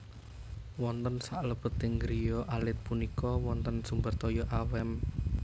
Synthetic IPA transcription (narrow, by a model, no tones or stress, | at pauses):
wɔnt̪ənsaʔləb̥ə̤t̪ɪŋɡɾijɔʔalɪt̪̚punikɔwɔnt̪ənsumbərt̪ɔjɔʔawɛm